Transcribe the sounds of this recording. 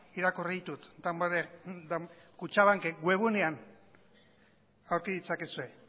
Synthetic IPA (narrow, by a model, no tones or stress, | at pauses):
iɾakoriðit̪ut̪d̪amaed̪kut͡ʃaβaŋkeɡwe̞βunean | awɾkiðit͡sakesue̞